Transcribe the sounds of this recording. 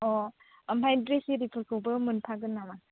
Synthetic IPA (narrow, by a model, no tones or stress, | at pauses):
ɔ | ɐmpʰajdɾesiɾipʰɯkʰɯwbɯmɯnpʰaɡɯnːama